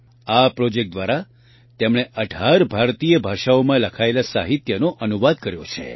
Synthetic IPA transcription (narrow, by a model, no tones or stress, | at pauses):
apɾɔd͡ʒek̚ʈ̚d̪ʋaɾa | t̪emɽ̃eʔəɖʱaɾbʱaɾt̪ijəbʱaʃaomãləkʰaelasa̰ɦit̪jənoʔənuʋad̪̚kəɾjot͡ʃʰḛ